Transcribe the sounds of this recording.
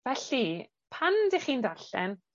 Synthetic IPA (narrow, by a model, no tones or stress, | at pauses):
vɛɬi | pʰandiχiːndaɬɛ̰n